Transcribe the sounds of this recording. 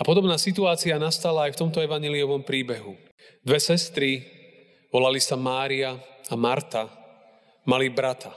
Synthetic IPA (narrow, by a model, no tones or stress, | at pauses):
apɔd̪ɔbnaːsit̪̬uaːt͡sianast̪alaːjft̪ɔmt̪ɔɛʋaɲɛliɔʋɔmpɾiːbɛɦu | d̪ʋɛsɛst̪ɾi | ʋɔlalisamaːɾiaamaɾt̪a | malibɾat̪ʰa